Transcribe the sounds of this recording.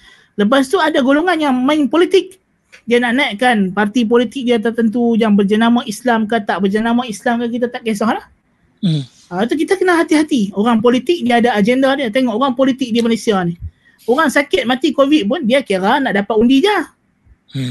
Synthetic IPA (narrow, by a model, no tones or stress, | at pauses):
ləp̬as̬t̪uadaɡoloŋanjaŋmaɪŋpolit̪ɪk̚ | dianaʔnaiʔ̪̚kanpart̪ip̬olit̪ɪk̚diat̪ərt̪ənt̪̬ujaŋbərd͡ʒənamaislamkat̪aʔbərd͡ʒənamaislamkankit̪at̪aʔkes̬ɔhlah | at̪̬uk̬it̪akənaɦat̪iɦat̪ioɾaŋpolit̪ɪk̚niadaːd͡ʒɛndadiat̪eŋɔʔoɾaŋpolit̪ɪk̚dimalesiani | oɾaŋsakɪt̪̚mat̪ikovit̪̚pʊndiakaɾanaʔdapat̪undid͡ʒa